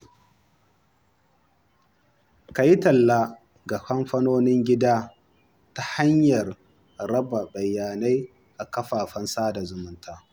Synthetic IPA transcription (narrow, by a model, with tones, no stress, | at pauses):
ka˨ji˦tɐ˨lːa˦ | ɡa˨ɸɐ˦mɸɐ˦noː˦nɪ˦ŋɡʲɪ˦daː˦ | ta˨ha˦ɲjɐ˨r | ɾɐ˦ba˨bɐ˨jːaː˨na˦j | ʔa˨kɐ˦ɸaː˨ɸɐ˦nsaː˦da˨zʊ˨mʊ˦ntʰaː˦